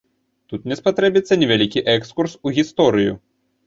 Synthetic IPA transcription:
t̪ut̪nʲɛspat̪ɾɛbʲit̪sːɐnʲɛvʲalʲikʲiʔɛkskursuɣʲist̪ɔɾɨju

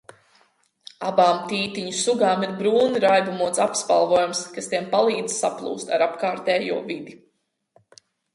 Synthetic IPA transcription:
abaːmt̪iːt̪iɲusuɡaːmiɾbɾuːniɾajbumuɔt̪sapspa̰lˠvuɔːjumskast̪iɛmpalˠiːd̪zsaplˠṵːst̪a̰ɾapkaːɾt̪ɛːjṵɔvid̪i

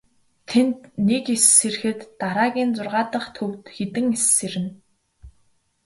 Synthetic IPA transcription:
t̪ʰent̪nekesːerxɘ̆t̪ːaɾaːɣʲiːnt͡sʊrʁaːt̪ə̆χt̪ʰɵwt̪xet̪ɘ̆ŋesːeɾɘ̆n

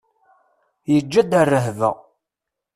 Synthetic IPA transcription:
jəd͡ʒːæd̪ərːəɦvə̰

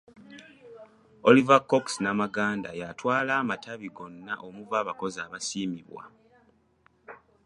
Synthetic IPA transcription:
olivakːoksnamaɡaːnda̰jatwaːlaːmatʰaβiɡo̞nːaʔomuvaːβako̞zaːβasiːmiβwa̰

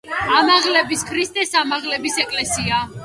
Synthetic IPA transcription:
amaʁlɛbiskʰɾist̪ʼɛsamaʁlɛbisɛkʼlɛsia

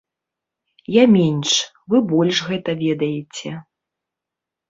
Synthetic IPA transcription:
jamʲɛnʲʂ | vɨbɔlʲʂɣɛt̪ɐvʲɛd̪ɐjet͡sʲɛ

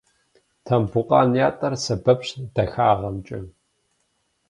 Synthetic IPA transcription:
tʰɐmbʊqʼɑːnjaːtʼɐrsɐbɐpɕd̥ɐxaːʁɐmt͡ʃʼɪ

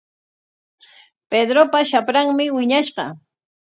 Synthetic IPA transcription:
ped̪ɾopaʃapɾaŋmɪwɪɲaʃɢɑ̰

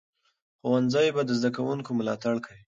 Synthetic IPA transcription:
xowanzɑjbad̪əzd̪akawuŋkomʊlɑt̪aɽkawi

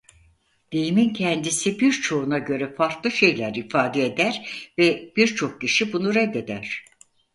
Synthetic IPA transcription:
d̪̥ejimincʰɛnd̪isibiɾt͡ʃʰo̞unaɟø̞ɾɛfaɾklˠɯʃe̞jlʲæɾifaːd̪eed̪æɾvɛb̥iɾt͡ʃʰo̞k̚ciʃibunuɾɛd̪ːe̞d̪æɾ̥

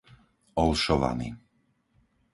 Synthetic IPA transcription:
ɔlʃɔʋa̰nḭː

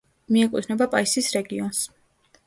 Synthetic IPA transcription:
miɛkʼut̪ʰnɛbapʼaisisɾɛɡiɔns

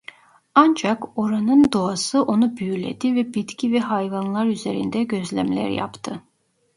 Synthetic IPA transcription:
and͡ʒako̞ɾanɯnd̪o̞asɯʔo̞nubyjylʲḛd̪ivɛbit̪cʰivɛɦajvanlˠaɾyzeɾḭnd̪ɛɟø̞zlʲæ̰mlʲæ̰ɾja̰pt̪ʰɯ

